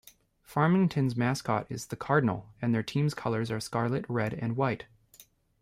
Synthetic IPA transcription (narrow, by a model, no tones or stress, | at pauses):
fɑɹmɪ̃ŋtʰɨ̃nzmæskʰɑ̰ɾɪzðɨkʰɑɹdⁿn̩l̩ˠɨ̃nðə˞tʰĩmz̥kʰʌlˠə˞zə˞skɑɹlˠɨt̚ɹɛɾɨ̃nwaɪt